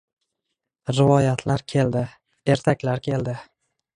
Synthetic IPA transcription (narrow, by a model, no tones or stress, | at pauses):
ɾɪvɒjat̪ʰlaɾkʲʰe̞ld̪ɪ | e̞ɾt̪ʰakʲlaɾkʲʰe̞ld̪ɪ